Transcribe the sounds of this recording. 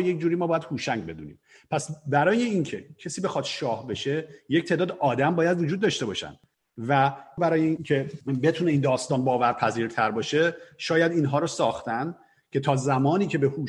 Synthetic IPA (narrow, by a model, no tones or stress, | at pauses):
je̞cd͡ʒuːɾiːmɒːbɒːjæd̪̥huːʃæŋɟbe̞d̪ṵːnḭːm | pʰæsbæɾɒːje̞incʰe̞̰cʰesiːbe̞xɒːd̪̥ʃɒːhbe̞ʃe̞ject̪ʰeːd̪ɒːd̪eʔɒːd̪æmbɒːjæd̪vod͡ʒuːd̪̚ːɒːʃt̪e̞bɒ̰ːʃæ̰nd̪ | væbæɾɒːjeicʰe̞be̞t̪ʰuːne̞iːnd̪ɒːst̪ɒːnbɒːvæɾpʰæziːɾt̪ʰæɾbɒːʃe̞ʃɒːjæd̪iːnɦɒːɾosɒːxt̪æn | cʰe̞t̪ʰɒːzæmɒːniːcʰe̞behuː